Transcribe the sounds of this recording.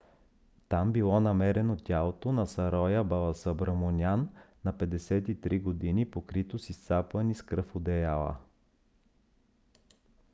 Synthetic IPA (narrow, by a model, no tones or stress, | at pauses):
t̪ambilˠɔnɐmɛɾɛnot̪ʲalˠot̪onɐsɐɾɔjəbɐlˠɐsɐbɾəmonʲjanː | ɐpɛd̪ɛsɛt̪it̪ɾiɡod̪inipokɾit̪osist̪saplˠəniskɾɤfod̪ɛjalˠə̰